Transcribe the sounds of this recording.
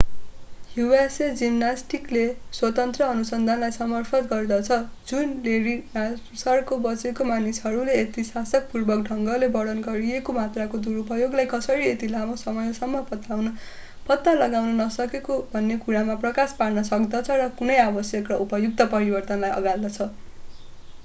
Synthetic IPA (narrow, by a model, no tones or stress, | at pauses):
hjuwesed͡zimnasʈikleswʌt̪ʌnt̪rʌːnusʌnd̪ʱanlajsʌmʌrpʰʌt̪ɡʌrd̪ʌt͡sʰʌd͡zunleɾina | sʌrkobʌt͡sekomanisɦʌɾuleːt̪isasʌk̚purbʌk̚ɖʱʌŋɡʌlebʌɽʌnɡʌɾiekomat̪rakod̪uɾpʌjoɡlajkʌsʌɾiet̪ilamosʌmʌjʌsʌmːʌpʌt̪awnʌ | pʌt̪ːʌlʌɡawnʌnʌsʌkekobʱʌnːekuɾamaprʌkasparnʌsʌkd̪ʌt͡sʰʌrʌkunʌjabʌsjʌkːʌupʌjuk̚t̪ʌpʌɾibʌrt̪ʌnlajʌ̰ɡald̪ʌt͡sʰʌ